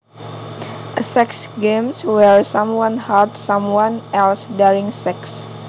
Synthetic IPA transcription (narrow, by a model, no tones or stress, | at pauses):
ʔəsɛksɡẽmswɛɹsãmwãnhadsãmwãnɛlsdɛɹĩŋsɛks